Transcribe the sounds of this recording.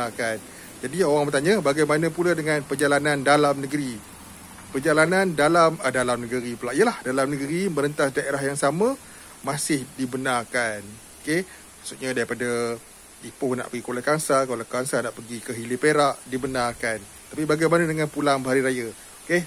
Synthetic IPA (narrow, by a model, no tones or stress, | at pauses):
akan | d͡ʒadioɾaŋbət̪aɲəbaɡajmanə̃puladəŋanpərd͡ʒalanandalamnəɡəɾi | pərd͡ʒalanandalamədalamnəɡəɾipəlaʔijəlahdalamnəɡəɾiməɾənt̪asdaeɾaɦjaŋsamə̃ | mãsɪhdibənarkan | oke | maʔsut̪̚ɲadaɾipada | ipʊhna̰ʔpəɡikolakaŋsakolakaŋsanaʔpəɡikəɦilɪpeɾaʔdibənarkan | t̪apibaɡajmanadəŋãnpulaŋbəɦaɾiɾaja | oke